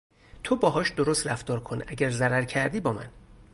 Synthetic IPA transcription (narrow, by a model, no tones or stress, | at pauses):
t̪ʰobɒːɦɒːʃd̪oɾost̪ræft̪ɒːɾkʰo̞nʔæɟæɾzæɾæɾcʰæɾd̪iːbɒːmæ̰n